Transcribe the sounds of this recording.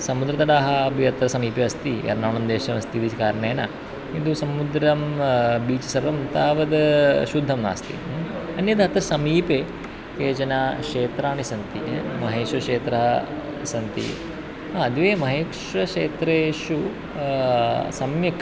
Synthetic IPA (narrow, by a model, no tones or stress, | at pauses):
sɐmud̪ɾɐt̪ɐɽaːɦɐbʱiɐt̪ɾɐsɐmiːpeɐst̪iɐ̰ɾnaːɳɐmd̪eːʃɐmɐst̪id̪it͡ʃʰikaːɾɐɳeːnɐ | ind̪usɐmud̪ɾɐmbiːt͡ʃɐ̥sɐɾʋɐmt̪aːʋɐd̪ʃud̪ʱːɐmna̰ːst̪ḭɐnjɐd̪ɐt̪ɾɐsɐmiːpe | keːd͡ʒɐnakʂeːt̪ɾaːnisɐnt̪imɐɦeːʃʋɐʂeːt̪ɾɐɦɐ | sɐnt̪ḭ | aɐd̪ʋeːmɐɦeːkʂʋɐʂeːt̪ɾeːʃu | sɐmjɐk